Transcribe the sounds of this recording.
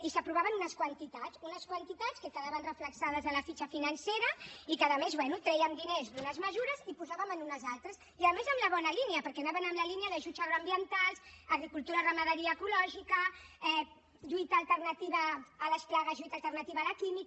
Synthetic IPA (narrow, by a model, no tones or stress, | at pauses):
isəpɾuβaβənunəskwɐnt̪it̪azunəskwant̪it̪at͡skəkəðaβənrəfləksaðəzəlɐfit͡ʃəfinɐnseɾɐikəðəmezβwɛnut̪ɾɛjəmd̪inezd̪unəzməzuɾəzipuzaβəmənunəzalˠt̪ɾəs | iaðəmezəmləβɔnɐliniəpəɾkɛnaβənəmləliniəðəʒuzaɣɾoambiənt̪alsːɣɾikulˠt̪uɾarəmaðəɾiəːkulɔʒikəɛ | ʒuit̪aːlˠt̪ərnət̪iβəːləsplaɣəzʒuit̪alˠt̪ərnɐt̪iβaːlakimik